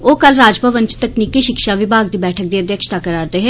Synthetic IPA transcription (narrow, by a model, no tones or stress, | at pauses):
oːkəlɾaːd͡ʒpəʋənt͡ʃt̪əkniːkiːʃɪkʃaːʋɪbʱaːɡd̪iːbɛːʈʰək̚d̪iːəd̪jəkʃt̪aːkəɾaːɾd̪eːɦɛː